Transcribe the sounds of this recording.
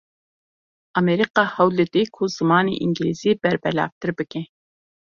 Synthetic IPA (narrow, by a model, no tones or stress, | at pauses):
ɑmeɾɨqɑhɑwlɪd̪ɪkʰuzɨmɑːnɨ̰ʔiŋɡʲiliz̥ɪbæɾbɛlɑ̰ːp̚t̪ʰɨɾɨbɪkʲʰɛ